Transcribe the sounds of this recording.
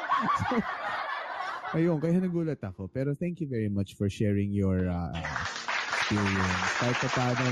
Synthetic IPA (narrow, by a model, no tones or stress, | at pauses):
so | ʔɐjoŋkɐjanɐɡuːlɐt̪ɐkopɛːɾoθɛŋkjuvɛɹimɐt͡ʃfɔɹʃɛːɹɪ̃ŋjɔɹɐʔa | spiljɛnsk̪aɪt̪ːɐp̪aːnɐ